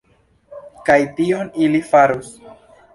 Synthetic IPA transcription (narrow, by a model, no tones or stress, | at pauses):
kajtionilifaɾus